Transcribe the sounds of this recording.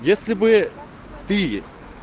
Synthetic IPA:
jesʲlʲɪbɨ | t̪ɨ

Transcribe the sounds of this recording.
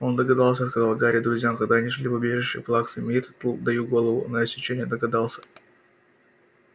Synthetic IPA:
o̞nd̪əɡɐd̪ɑlˠsʲəskɐzɑlˠɡaɾʲɪd̪ɾʊzʲjamkɐɡd̪aɐnʲiʐlʲipɐbʲeʐɨfʂɨ̰jplˠaksɨmʲit̪d̪ɐjuɡo̞lˠəvʊnəɐsʲɪt͡ɕenʲɪjəd̪əɡɐd̪ɑlˠsʲə̥

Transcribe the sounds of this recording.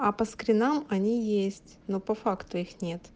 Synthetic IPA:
ɐpəskɾʲɪnamɐnʲijesʲtʲnopɐfakt̪ʊixnʲe̞t̪

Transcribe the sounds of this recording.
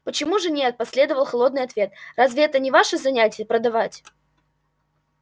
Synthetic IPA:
pət͡ɕɪmuʐɨnʲe̞t̪̚pɐsʲlʲe̞d̪əvəlˠxlˠo̞d̪nɨjɐt̪vʲe̞t̪̚razʲvʲɪɛt̪ənʲɪvaʂɨzɐnʲætʲɪjəpɾəd̪ɐvatʲ

